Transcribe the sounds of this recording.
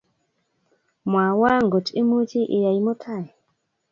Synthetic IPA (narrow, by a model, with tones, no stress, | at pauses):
mwa˨wa˦ŋɡo˨tʼi˦mu˦ti˦ʔi˨ja˨i˨mɔ˦tʰa˦˨jɛ˨